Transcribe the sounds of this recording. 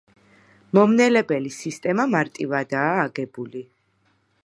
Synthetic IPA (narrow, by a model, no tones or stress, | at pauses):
mɔmnɛlɛbɛlisist̪ʼɛmamaɾt̪ʼivad̪aːɡɛbuli